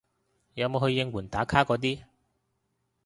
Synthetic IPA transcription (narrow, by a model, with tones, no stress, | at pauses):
jɐ˨˧wmo˨˧hɵ˧jːɪ˧ŋwuː˨˩nt̪aː˨˥kʰaː˥kɔː˨˧t̪iː˥